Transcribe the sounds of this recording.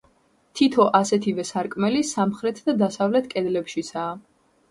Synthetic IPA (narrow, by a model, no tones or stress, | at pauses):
t̪ʰit̪ʰɔʔasɛt̪ʰivɛsaɾkʼmɛlisamχɾɛt̪ʰd̪ad̪asavlɛt̪ʰkʼɛd̪lɛpʃisʰaː